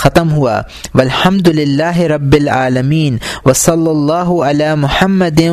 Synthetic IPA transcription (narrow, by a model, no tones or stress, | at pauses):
ɐt̪əmɦua̰ː | ʋɐlhɐmd̪ʊlɪlːaːɦɪɾɐbːɪlʕa̰ːlɐmiːnʋɐsɐlːɐlˤːɑːɦʊɐlaːmʊħɐmːɐd̪ɪ